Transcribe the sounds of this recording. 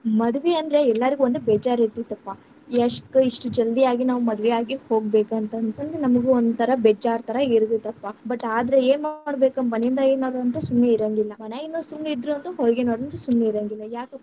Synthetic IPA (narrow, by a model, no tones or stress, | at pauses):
mɐd̪ʋeɐnd̪ɾe̞ɛlːɐɾiɡuʋond̪ubɛːd͡ʒaːɾet̪it̪ɐpːa | iɐʂkːuiʂʈud͡ʒɐld̪ijaːɡinaːʋumɐd̪ʋɛjaːɡiho̞ːɡ̚beːkɐnt̪ɐnt̪ɐnd̪enɐmɐɡuond̪t̪ʰɐɾɐbɛːd͡ʒaːɾt̪ʰɐɾɐiɾd̪et̪ɐpːabɐʈːaːd̪ɐɾeeːnmaːɽbeːkɐmmɐneind̪ajenoːɾɐnt̪ɐsumːeiɾɐŋɡilːɐmɐnaːjinːosumneid̪ɾuɐnd̪uɦɔɾɡenoːɽɐnt̪ɐsumːeiɾɐŋɡilːɐjaːkɐ